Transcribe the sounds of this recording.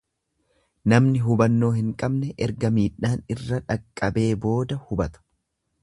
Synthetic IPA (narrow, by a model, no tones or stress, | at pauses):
nɐmnɪɦʊbɐnːo̞ːhɪŋkʼɐbnɛʔɛɾɡɐmiːᶑːaːnɪrːɐᶑɐkʼːɐbe̞ːbo̞ːd̪ɐhʊbɐt̪ɐ̥